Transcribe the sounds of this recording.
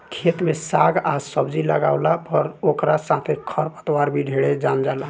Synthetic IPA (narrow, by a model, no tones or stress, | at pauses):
kʰet̪mesaɡasəbd͡ʒiləɡaʊlapəɾokɾasat̪ʰekʰəɾpə̥t̪waɾbʱiɖʱeɽed͡ʒamd͡ʒala